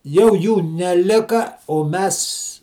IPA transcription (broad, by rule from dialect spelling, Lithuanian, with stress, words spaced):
ˈjɛʊ ˈjuː nʲɛˈlʲɪkɐ oː ˈmʲɛs